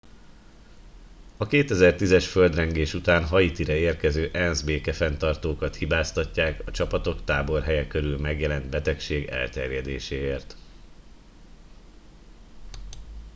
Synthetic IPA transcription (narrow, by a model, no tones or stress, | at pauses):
ɒkeːt̪ɛzɛrt̪izɛʃføld̪rɛŋɡeːʃut̪aːnɦɒjit̪iɾɛeːrkɛzøːʔɛnzbeːkɛfɛn̪t̪ɒrt̪oːkɒt̪hibaːst̪ɒcːaːkɒt͡ʃɒpɒt̪o̞kt̪aːbo̞rɦɛjɛkøɾylmɛɡjɛlɛnd̪bɛt̪ɛkʃeːɡɛ̰lt̪ɛ̰rjɛd̪eːʃeːeːrt̪